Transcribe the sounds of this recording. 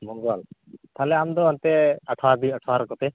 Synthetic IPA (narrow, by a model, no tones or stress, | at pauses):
mɔŋɡwalt̪ʰalɛamd̪ɔant̪ɛəʈʰad̪iəʈʰaɾɔkɔt̪ɛ